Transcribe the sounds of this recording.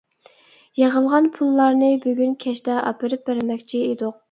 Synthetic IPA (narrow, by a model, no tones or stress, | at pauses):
jeʁəlˠʁɑnpʰulˠːɑɾnɨbyɡʲynkʲʰɛʃd̪ɛʔɑ̰pɨɾɨp̚bæɾɪmɛkʲt͡ʃʰied̪ʊq̚